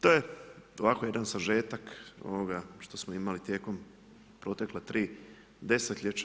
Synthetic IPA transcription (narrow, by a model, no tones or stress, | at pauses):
t̪o̞jeoʋako̞je̞d̪ansaʒe̞ːt̪ako̰ʋoɡaʃt̪o̞smoimalit̪jeːko̞m | pɾo̞t̪e̞klat̪ɾiː | d̪e̞set̪ʎet͡ʃa